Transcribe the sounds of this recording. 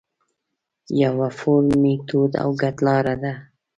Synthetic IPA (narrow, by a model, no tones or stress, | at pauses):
jawafʊɾmit̪ud̪a̰wɡat̪lɑɾad̪a